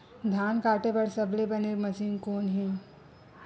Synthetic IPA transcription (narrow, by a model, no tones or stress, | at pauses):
d̪ʱaːnkaːʈepɐɾsɐblebɐnemɐsiːnkoːnɦĩː